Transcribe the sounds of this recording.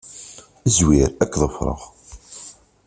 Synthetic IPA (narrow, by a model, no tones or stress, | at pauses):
əzwiɾækːðˤəfɾˤə̰ʁ